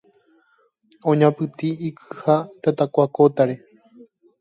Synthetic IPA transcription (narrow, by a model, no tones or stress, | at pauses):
õɲãpɨt̪iikʰɨ̥hat̪at̪akʷakot̪aɾe̞